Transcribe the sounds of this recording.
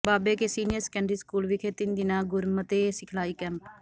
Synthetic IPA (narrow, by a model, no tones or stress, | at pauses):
baːbeːkesiːnɪjəɾsɛ̥kɛ̃ːɳɖɾiːskuːlʋɪkʰet̪ɪnd̪ɪnãːɡʊɾmət̪eːsɪkʰlaːiːkɛ̃ːmp